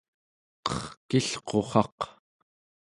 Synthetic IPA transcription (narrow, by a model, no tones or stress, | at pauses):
qʌ̥χkiɬqʰo̞χɑq